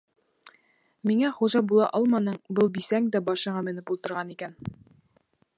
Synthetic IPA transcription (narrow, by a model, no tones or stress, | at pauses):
miŋæχuʒɑbulˠɑ̰ʔɒlˠmɑnɤɴbɤlˠbisæŋd̪æbɒʃɤ̆ʁɑmɘ̆nɘpulˠt̪ɤ̆ɾʁɑnikæn